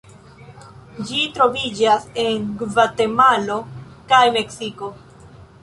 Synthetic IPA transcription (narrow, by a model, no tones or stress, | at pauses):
d͡ʒitɾo̞vid͡ʒase̞nɡvate̞malo̞kajme̞ksiko̞